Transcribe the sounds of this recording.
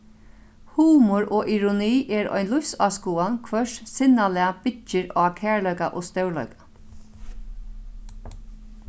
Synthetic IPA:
huːmʊɹʔɔːʔiɾʊniːʔɛːɾɔ̰jnlʊfsaːskuːankʰʋœʂsɪnalɛːab̥ɪt͡ʃɪɹɔ̰akʰæːɹlœɥkaʔoːst̪œwlœ̰ɥkḁ

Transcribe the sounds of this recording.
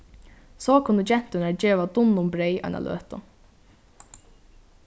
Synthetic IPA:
sɔkʰʊnːəd͡ʒɛn̥t̪ɪnaɹd͡ʒeːʋad̪ʊnːʊmbɾɛjʔɔ̰jna̰lø̰ːt̪ʊ̰

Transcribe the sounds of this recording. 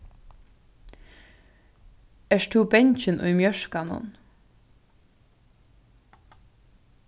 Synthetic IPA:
ɛʃt̪ʰuːbɛɲçənʔʊ̰ʏmjœʃkɑnɔ̰n

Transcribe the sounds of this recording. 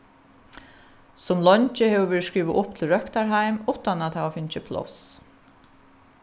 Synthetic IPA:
sʊmlɔɲt͡ʃɪhɛːʋʏʋɛːɹskɹiːʋɪʔʊp̚t̪ʰɪlɹœhkt̪aɹɦajmʊht̪anat̪aʋafɪnt͡ʃɪpʰlɔ̰s

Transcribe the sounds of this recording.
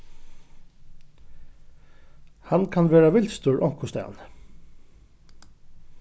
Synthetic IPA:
hankʰanʋeːɹaʋɪlt̪st̪ʊɹʔɔm̥kʰʊst̪æ̰n

